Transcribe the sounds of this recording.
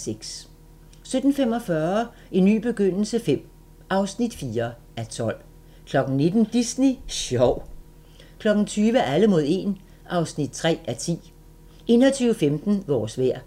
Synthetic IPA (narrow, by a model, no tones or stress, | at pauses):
seɡ̥s | sød̥n̩fem̰ɒ̽fɶɐ | e̝nːy̰ːb̥e̝ɡ̥øn̰l̩səfem̰ | ɑ̈ʊsnid̥fiːɐ | æt͡sʰɒ̽l̰ | kʰlɒ̽ɡ̥n̩ne̝d̥n̩d̥isniɕɒʊ | kʰlɒ̽ɡ̥n̩t͡sʰyːʋəʔæləmo̝ð̞̰ˠe̝n | ʔɑ̈ʊsnid̥̚t͡sʰʁɛ̰ːæɐt͡sʰḭː | ʔe̝ːnɐt͡sʰyːʊəfemd̥n̩ʋɒ̰ːsʋæɐ̰